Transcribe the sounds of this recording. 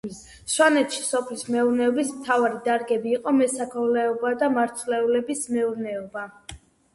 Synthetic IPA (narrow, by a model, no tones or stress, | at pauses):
ʃwanɛt̪ʃi̥sɔpʰlismɛuɾnɛɔbismt̪ʰavaɾid̪aɾɡɛbiːqʼɔmɛsakʰɔvlɛɔbad̪amaɾt̪ʰlɛulɛbismɛuɾnɛɔba